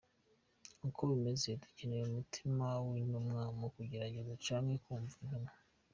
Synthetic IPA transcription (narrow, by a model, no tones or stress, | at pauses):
ŋukʰoβime̞ze̞ducineɾumutʰimawinumŋamokuɟe̞ɾaɟe̞zat͡ʃaːŋhe̞kuːɱvuɲuna